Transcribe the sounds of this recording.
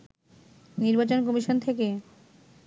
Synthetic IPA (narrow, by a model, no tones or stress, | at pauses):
niɾbat͡ɕonkɔmiʃont̪ʰeke